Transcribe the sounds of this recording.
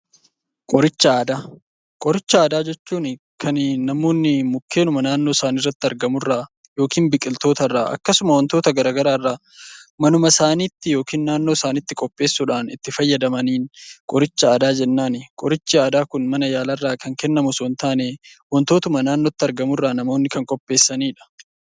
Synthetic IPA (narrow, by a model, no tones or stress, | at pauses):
kʼɔɾɪt͡ʃːɐaːd̪aː | kʼɔɾɪt͡ʃːɐaːd̪aːd͡ʒɛt͡ʃːuːn | kʰɐnnɐmo̞ːnːɪmʊkːe̞ːnʊmɐnaːnːo̞ːsaːnirːɐt̪ːɪɐɾɡɐmʊrːaː | jo̞ːkiːnbɪkʼɪlt̪o̞ːt̪ɐrːaːʔɐ̰kːɐsʊmɐwɐnt̪o̞ːt̪ɐɡɐɾaːɡɐɾaːrːaː | mɐnʊmɐsaːniːt̪ːɪjo̞ːkiːnːaːnːo̞ːsaːnɪt̪ːɪkʼɔpʼːe̞ːsːuːᶑaːnɪ̰t̪ːɪfɐjːɐd̪ɐmɐniːnkʼɔɾɪt͡ʃːɐaːd̪aːd͡ʒɛnːaːnɪkʼɔɾɪt͡ʃːiaːd̪aːkʊnmɐnɐjaːlɐrːaːkɐŋkɛnːɐmʊswɔnt̪aːnewɐnt̪o̞ːt̪ʊmɐnaːnːɔt̪ːɪɐɾɡɐmʊrːaːnɐmo̞ːnːɪkɐŋkʼɔpʼːe̞ːsːɐniːᶑɐ̥